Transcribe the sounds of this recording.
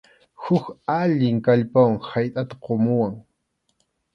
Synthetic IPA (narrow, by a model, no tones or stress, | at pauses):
hʊkaʎɪŋkaʎpawaŋhajt̪ʼat̪ḁqomʊwaŋ